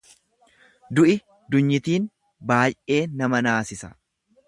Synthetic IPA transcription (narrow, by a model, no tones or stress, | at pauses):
d̪ʊʔɪ | d̪ʊɲːɪt̪iːn | baːjʔe̞ːnɐmɐnaːsɪsɐ̥